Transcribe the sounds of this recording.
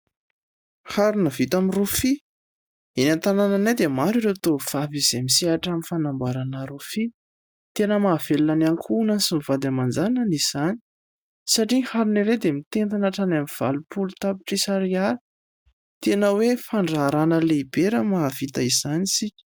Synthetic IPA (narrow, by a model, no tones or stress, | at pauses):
haɾunəvit̪amirufi | enant̪anananed̪emaɾiɾewt̪ov̥avizemiseaʈ͡ʂaminfanambaɾanəɾufi | t̪enəmaːvelunanaŋkʰunanisimivad̪amand͡zananiz̥ani̥ | saʈ͡ʂihaɾuniɾed̪emit̪ent̪anaʈ͡ʂanamiv̥a̰lupulut̪apiʈ͡ʂisaɾiaɾi | t̪enəwefaɳɖ͡ʐaːɾanəleibeɾəmaːv̥it̪aiz̥anisikʲə̥